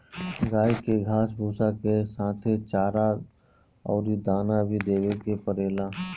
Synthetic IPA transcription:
ɡaːikeɡʱaːsbʱuːsakesãːt̪ʰet͡ʃaːɾa | ɔ̰ːɾid̪aːnabʱid̪eːwekepəɾeːla

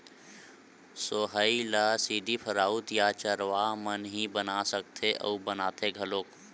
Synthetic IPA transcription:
soːɦəilaːsiːd̪ʱipʰəɾaːut̪jaːt͡ʃəɾʋamənɦibənasək̚t̪ʰeʔə̰ubənaːt̪eɡʱəloːk

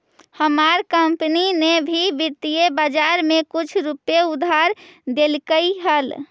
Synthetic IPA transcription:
həmaɾkəmpninebʱibiɾt̪ijebad͡ʒaɾmẽkʊt͡ʃʰɾupjeʊd̪ʱaɾd̪elkəiɦəl

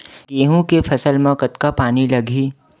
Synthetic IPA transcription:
keːɦũkefʰɐsəlmɐ̃kət̪kapaːnilɐɡʱiː

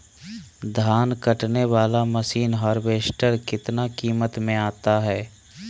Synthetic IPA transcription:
d̪ʱaːnkɐʈneʋaːlaməsiːnɦɔːɾbeːʃʈəɾkɪt̪nakiːmət̪mẽaːt̪aɦɛː

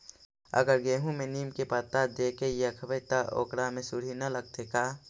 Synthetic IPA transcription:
ə̰ɡəɾɡeːɦũmẽniːmkepət̪ːad̪eːkejakʰəbət̪aʔo̰ːkɽamẽsʊɽ̤ʱinɐləɡ̚t̪ekaː

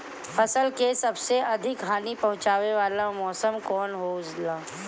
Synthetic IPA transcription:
fɐsəlkesɐbseɐd̪ʱɪkɦaːnipɐ̃ɦʊ̃t͡ʃaːʋeʋaːlamɔːsəmkɔːnɦoːd͡ʒlaː

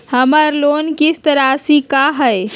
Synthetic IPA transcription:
hɐməɾloːnkɪst̪əɾasikaɦɛ

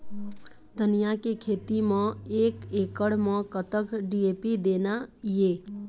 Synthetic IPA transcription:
d̪ənijakekʰeːt̪imə̃eːkeːkəɽmə̃kət̪əkɖiepid̪eːnajeː

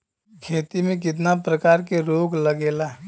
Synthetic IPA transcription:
kʰeːt̪imẽk̬ɪt̪̬napɾəkaːɾkeɾoːɡləɡeːla

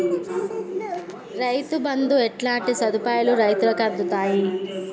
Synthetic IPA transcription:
ɾɐjt̪ubɐnd̪uɛʈlaːɳʈisɐd̪upaːjuluɾɐjt̪ulɐkɐd̪ːut̪aːji

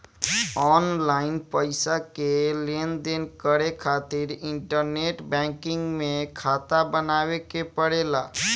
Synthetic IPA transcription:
ɔnlaɪnpəɪsakelend̪enkəɽekʰaːt̪iɾɪ̃ɳʈəɾneʈbɛ̃ŋkɪ̃ŋɡmẽkʰaːt̪abənaːʋekepəɽela

